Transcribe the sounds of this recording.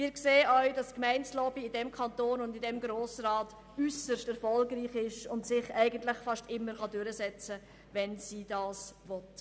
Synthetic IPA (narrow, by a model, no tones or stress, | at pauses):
mɪːɾkseːəœʏd̥ɑskmæɪnslɔːbiɪdɛmkʰɑntoːnʊndɪdɛmɡɾoːsɾɑːt | ysəʃtɛɾfɔlɡriːχɪʃʊntsɪχæɪɡəntlɪχfɑʃtɪmːəɾχɑdʉɾəsɛt͡sə | vɛnsiːdɑːsvɔt